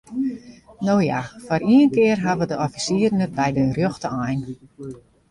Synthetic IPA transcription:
noːjafɔriənkɪərɦaʋədəɔfisiːərnət̚bɛjdərjøxtəajn

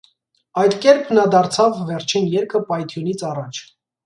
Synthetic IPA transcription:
ɑjd̪kɛɾpʰnɑd̪ɑɾt͡sʰɑvːɛɾt͡ʃʰinjɛɾkʰəpɑjt̪ʰjunit͡sʰɑrɑt͡ʃʰ

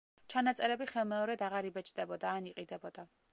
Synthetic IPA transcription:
t͡ʃʰanat̪sʼɛɾɛbiχɛlˠmɛɔɾɛd̪aʁaɾibɛt͡ʃʼd̪ɛbɔd̪aːniqʼid̪ɛbɔd̪a

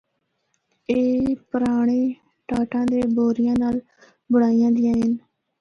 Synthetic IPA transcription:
eːpəɾaːɳeː | ʈaːʈãːd̪eːboːɾɪjãːnaːl | bəɽaːijãːd̪ɪjãːɦɪn

